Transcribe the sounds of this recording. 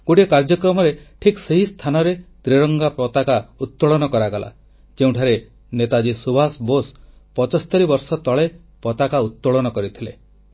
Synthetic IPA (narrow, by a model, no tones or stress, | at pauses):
ɡ̥oʈikaɾd͡ʒɔkɾɔmɔɾeʈʰikseɦist̪ʰanɔɾed̪̥ɾeɾɔŋɡapɾɔt̪akaut̪ːuɭɔnɔkɔɾaɡɔla̰ | d͡ʒeũʈʰaɾe | net̪ad͡ʒisubʱasbos | pɔt͡ʃɔst̪ɔɾibɔɾsɔt̪ɔɭe | pɔt̪akaut̪ːoɭɔnɔkɔɾit̪ʰile